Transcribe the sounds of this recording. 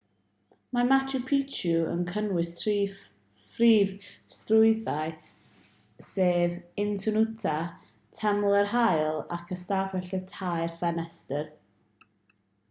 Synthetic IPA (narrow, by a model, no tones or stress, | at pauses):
mamat͡ʃʰupʰit͡ʃuə̰nkʰənwɪstʰi | friːvstrʊɨθaɨ | seːvɪntʰʊnutʰa | tʰɛmlˠərhajlˠakʰəstaːfɛɬɛtʰajrfɛnɛstər